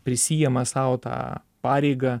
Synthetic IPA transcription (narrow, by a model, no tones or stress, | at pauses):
pʲɾʲɪsʲiːjɛmɐsɐʊt̪ɑ̰ː | pɑːɾʲɛɪɡɐ